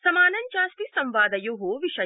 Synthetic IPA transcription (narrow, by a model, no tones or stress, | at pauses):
sɐmaːnɐɲt͡ʃaːst̪isɐ̃mʋaːd̪ɐjuɦuʋiʂɐ